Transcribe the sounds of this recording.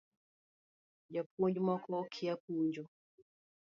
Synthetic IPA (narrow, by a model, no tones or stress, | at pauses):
d͡ʒapɔɲd͡ʒɔmakʰɔkʰiap̚uɲd͡ʒɔ